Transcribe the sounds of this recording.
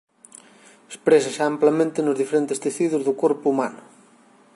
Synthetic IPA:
espɾesaʃamplamẽnt̪ɪnʊzðifeɾent̪est̪eθiðʊzðʊkoɾpuumanʊ

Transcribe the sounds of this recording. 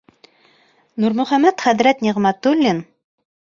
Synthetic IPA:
nuɾmɵ̆χæmæt̪χæðɾæt̪nʲiʁmæt̪ulʲːin

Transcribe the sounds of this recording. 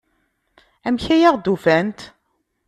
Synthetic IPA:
æmçæjaʁd̪ufænt̪

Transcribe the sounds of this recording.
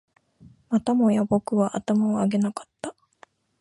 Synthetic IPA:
mat̪amo̞jabo̞kɯ̟βaʔat̪amaoaɡe̞nakḁt̪ːa

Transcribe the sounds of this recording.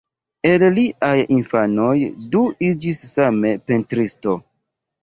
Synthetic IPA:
e̞lliʔajinfano̞jduid͡ʒisːame̞pentɾisto̞

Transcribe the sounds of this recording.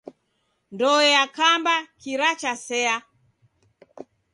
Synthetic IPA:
ndɔɛakambakiɾat͡ʃasɛa

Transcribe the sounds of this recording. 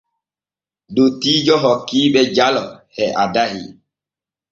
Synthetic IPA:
dotid͡ʒɔɦɔkiɓɛd͡ʒalɔhɛʔadaɦḭ

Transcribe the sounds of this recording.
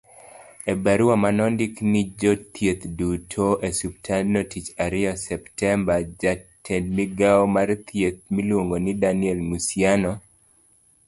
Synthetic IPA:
ebaɾuwamanɔndiknɪd͡ʒɔt̪ʰjet̪dutʰoʔesub̚tʰanotit͡ʃaɾɪɔsɛptɛmbad͡ʒatʰenmiɡaɔmart̪jet̪̚milwoŋɡonɪdanɪɛlmusjanɔ

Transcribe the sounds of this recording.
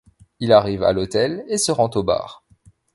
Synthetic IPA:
ilaʁiva̰lot̪ɛlesəʁɑ̃t̪oba̰ːʁ

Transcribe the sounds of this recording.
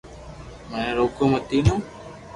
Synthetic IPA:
mẽːɾoːkõːmət̪iːnõː

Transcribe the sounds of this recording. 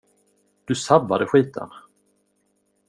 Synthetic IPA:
d̪̥ɵsabːad̪əɧiːt̪ʰə̰n

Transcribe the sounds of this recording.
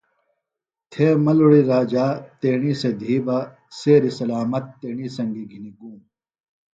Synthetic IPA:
t̪ʰeːmɐluɽiɾaːd͡ʑaːt̪eːɳised̪ʱiːba | seːɾisɐlaːmɐt̪ːeːɳisɐŋɡiɡʱiniɡuːm

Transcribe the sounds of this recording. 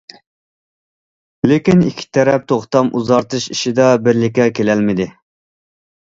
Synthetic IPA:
lekʲinikʲʰːi̥t̪ʰɛɾɛp̚t̪ʰoχt̪ɑmuzɑɾt̪ʰɨʃiʃɪd̪ɑbɪɾlɪkʲːɛkʲelɛlmɪd̪ɪ

